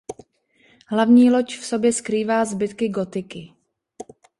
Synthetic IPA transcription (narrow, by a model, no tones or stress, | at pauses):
ɦlavɲiːlo̞t͡ʃfso̞bjɛskɾiːvaːzbɪt̪kɪɡot̪ɪkɪ